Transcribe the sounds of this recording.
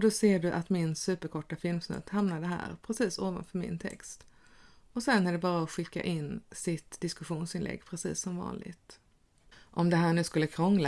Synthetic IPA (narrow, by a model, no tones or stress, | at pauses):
d̪ɔseːɖɵʔat̪mɪnsʉ̟ːpəɾkʰɔʈːafɪlmsnɵ̰t̪hamnad̪əɦæ̰ːɾpʰɾɛsiːsoːva̰nfœɾmɪ̰nt̪ʰɛ̰kst̪ | ɔsɛnːæɖɛbɑːɾaɔɧɪkːa̰ʔɪnːsɪt̪d̪ɪskɵɧuːnsɪnlɛ̰ɡːpʰɾɛsḭːsːɔmvɑ̰ːnlɪ̰ɡt̪ | ʔɔmd̪ɛɦæːɳʉ̟ːskɵlːəkʰɾɔŋl